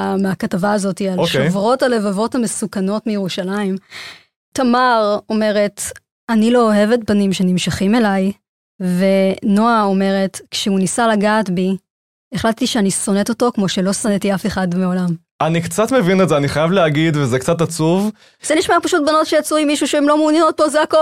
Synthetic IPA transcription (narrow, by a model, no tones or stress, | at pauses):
ameakatavaːzo̞tialoʃeojvʁo̞thale̞vavo̞thame̞sukano̞tmejeʁuʃalaim | tamaʁo̞me̞ʁe̞t | anilo̞ːɦe̞vetbanimʃe̞nimʃaχime̞laj | ve̞no̞ao̞me̞ʁe̞tkʃeunisalaɡaːtbi | eχlattiʃeaniso̞ne̞to̞to̞kmo̞ʃe̞lo̞sonetiafe̞χadmeo̞lam | ʔanikt͡satmevinetzeaniχajavleaɡidvezek̚t͡satat͡suv | z̥eniʃmapaʃut̚bano̞tʃejat͡suimːiʃuʃeemlo̞munjenot̚pozeako